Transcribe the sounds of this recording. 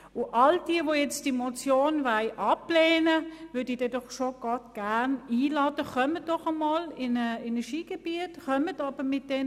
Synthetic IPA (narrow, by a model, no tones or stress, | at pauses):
ʊʔɑld̥iəvojɛt͡std̥imot͡sjoːnvaɪʔɑplɛːnəvʏd̥idɛdɔχʃoɡ̥ɔtɡ̥æniːlɑːdəχœmət̚d̥ɔχəmɑlɪnəenɛʃiːɡ̥eb̥iətχœmətɑb̥əmɪt̚d̥ɛn